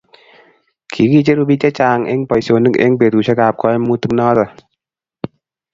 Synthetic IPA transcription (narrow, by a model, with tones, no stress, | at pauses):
kʰi˨˦ki˧˨t͡ʃe˦ɾu˧bi˧t͡ʃa˦t͡ɕaː˧ŋʔḛ˧˦ŋpɔ˨jso˧˨nɨ˦kḛ˧˦ŋpe˨t̪u˨sa˧˦kaː˧˨p̚kʰɔ˧˦˧mu˧˦t̪ɨ˧k̚nɔː˧˦t̪a˧˨